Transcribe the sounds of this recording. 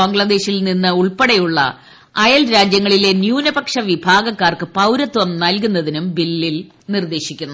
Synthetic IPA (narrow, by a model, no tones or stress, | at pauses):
ɐŋɡɭɐd̪e̞ːɕilninːɨuɭpɐɽɐjuɭːɐ̰ | ɐjɐlɾaːd͡ʑjɐŋːɐɭile̞njuːnɐbɐkʂɐʋibʱaːɡɐkːaːrkɨpɐwɾɐt̪ːʋɐmnɐlkunːɐðinumbilːil | nird̪e̞ːɕikʲːunːu